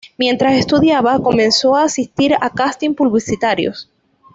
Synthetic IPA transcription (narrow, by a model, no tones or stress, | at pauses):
mje̞nt̪ɾase̞st̪uðjaβako̞mẽnso̞aːsist̪iɾakast̪impuβlisit̪aɾjo̰s